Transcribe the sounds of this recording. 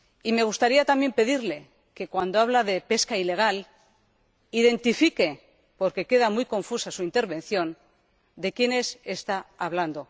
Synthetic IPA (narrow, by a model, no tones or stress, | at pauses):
ime̞ɣ̞ust̪aɾiat̪ambje̞mpe̞ðiɾle̞ | ke̞kwand̪o̞aβ̞laðe̞pe̞skaile̞ɣ̞al | iðe̞nt̪ifike̞ | po̞ɾke̞ke̞ðamujko̞ɱfusasuint̪e̞ɾβẽ̞nθjo̞n | d̪e̞kjenese̞st̪aːβland̪o̞